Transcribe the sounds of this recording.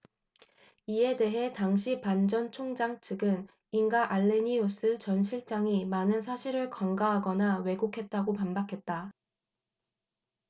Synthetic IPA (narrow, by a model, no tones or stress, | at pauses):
ie̞de̞ɦe̞taŋɕʰipand͡ʑʌnt͡ɕʰoŋd͡ʑaŋt͡ɕʰɯɡɯn | iŋɡaʔaɭːe̞ɲios͈ɯt͡ɕʌnɕʰiɭt͡ɕ͈aŋimanɯns̬ʰaɕʰiɾɯɭkʌŋɡaɦaɡʌnawe̞ɡokʰe̞t̚t͈aɡopanbakʰe̞t̚t͈a